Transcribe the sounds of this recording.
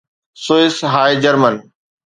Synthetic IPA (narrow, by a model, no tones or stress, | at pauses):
soːɪsɦaːjd͡ʑəɾmən